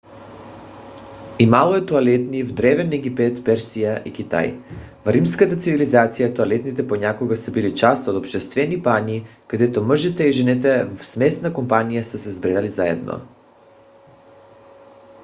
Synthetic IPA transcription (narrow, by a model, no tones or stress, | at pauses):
imalˠoɛt̪oalɛt̪nivd̪ɾɛvɛnɛɡipɛt̪pɛɾsijaʔikit̪a̰jvɾimskat̪at̪sivilizat̪sijat̪oalɛt̪nit̪ɛponakoɡasɛbilit͡ʃast̪od̪opʃt̪ɛst̪vɛnipanikad̪ɛt̪ɔm̩ʒit̪ɛiʒɛnɛt̪̬ɛvsmɛsnakompanijasəsɛzbɾɛlalizaɛ̰d̪nʔo̰